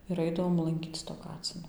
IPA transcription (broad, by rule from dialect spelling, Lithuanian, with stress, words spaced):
ɪr ˈɐɪdɐʋoːm lˠɐŋʲˈkʲiːt͡s toː ˈkɑːt͡sʲɪnoː